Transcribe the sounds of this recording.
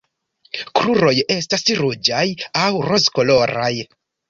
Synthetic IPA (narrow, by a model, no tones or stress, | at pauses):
kɾuɾo̞je̞stasɾud͡ʒajawɾo̞zko̞lo̞ɾaj